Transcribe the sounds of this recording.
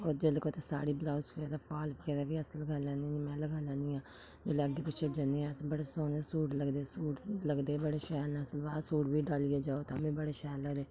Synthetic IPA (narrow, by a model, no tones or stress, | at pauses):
oːɾd͡ʒelkoːt̪eːsa̰ːɽiːbəlaːʊsfeːd̪aːpʰaːlkeɾɛːʋiːəsəlɡaːlãːnimɛ̃ːləɡaːlãːnd̪iːãː | d͡ʒeːleːəɡːeːpɪt͡ʃʰeːd͡ʒənẽãsbəɽeːsoːnesuːʈləɡd̪eːsuːʈləɡd̪eːbəɽeːʃɛːlːsəlʋaːsuːʈbiːɖaːlijeːd͡ʒaːoːt̪ãːbĩːbəɽeːʃɛːləɡd̪eː